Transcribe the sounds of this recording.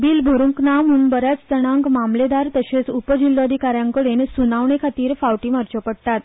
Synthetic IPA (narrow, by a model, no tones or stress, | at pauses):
biːlbʱəɾuŋknamuːnbəɾjat͡sd͡zəɽ̃ãŋkmamled̪aɾt̪əɕet͡supəd͡ʑilːoad̪ʱikaɾjãŋkəɽensunaʋɳekʰat̪iːɾfawʈiːmaɾt͡ɕəpəɽt̪at̪